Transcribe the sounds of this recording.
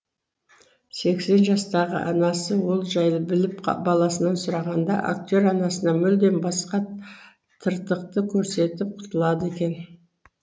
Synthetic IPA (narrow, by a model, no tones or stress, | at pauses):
se̞kse̞nʒɑst̪ɑʁə̰ʔɑnɑsəwo̞lˠʒɑjlˠəbɪlɪpbɑlˠɑsənɑnsʊɾɑʁɑnd̪ɑ̰ʔa̰k̚t̪ʲo̞ɾɑnɑsənɑmʏld̪e̞nbɑsqɑ | t̪ʰəɾt̪əq̚t̪əkʲʰɵɾse̞t̪ɪp̚qʰʊ̥t̪əlˠɑd̪əekʲe̞n